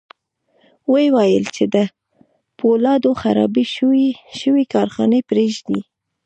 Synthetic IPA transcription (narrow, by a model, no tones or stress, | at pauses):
wəwajəlt͡ʃed̪ə | polɑd̪oxa̰ɾɑ̰biʃəwikɑɾxɑ̰nepɾeʒd̪i